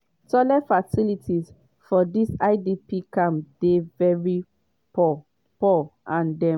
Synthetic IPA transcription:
sɔlɛfasilitʰiz | fɔdisaɪdipikãmd̥evɛɹi | pɔ | pɔʔãndɛ̃

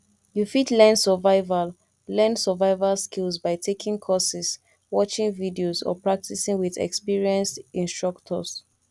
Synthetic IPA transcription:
jufitlɛ̃nsəvaɪval | lɛ̃nsəvaɪvalskilsbaɪtʰekʰĩŋkʰɔsɛs | wɔt͡ʃĩŋvidiosɔ̰pɹak̚tisĩŋwiðɛ̰kspiɹiɛ̃nstĩnstɹ̥ɔktʰɔ̰s

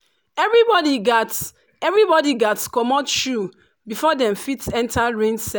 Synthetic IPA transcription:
ɛvɹibɔdiɡat | ɛvɹibɔdiɡatkɔmɔʃu | bifɔdɛ̃mfitɛ̃ntaɹẽnsɛ

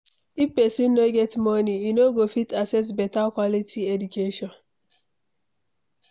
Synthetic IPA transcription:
ipesinnoɡɛtmɔniinoɡofitasɛs̬bɛtalkwɔlitʰiedukeʃɔ̃n

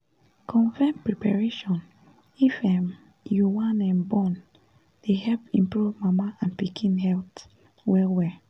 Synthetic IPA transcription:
kʰɔ̃nfɛnpɹɛpaɹeʃɔ̃n | ifɛ̃m | juwãnɛ̃nbɔ̃n | d̥ehɛlpĩmpɹuvmamaãnpikʰĩnhɛlt | wɛwɛ

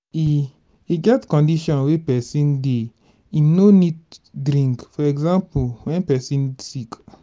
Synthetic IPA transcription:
i | iɡɛtkɔ̃ndiʃɔ̃nwepɛsĩnde | inoniddɾĩŋkfɔɛɡzãmpuwɛ̃npɛsĩnsik

